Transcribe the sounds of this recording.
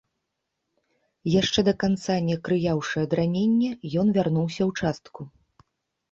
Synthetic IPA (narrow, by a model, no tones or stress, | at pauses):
jaʂt͡ʂɛd̪ɐkant̪sanʲɛkɾɨjawʂɨjɐd̪ɾanʲenʲːɛjɔnvʲarnuwsʲɐwt͡ʂast̪ku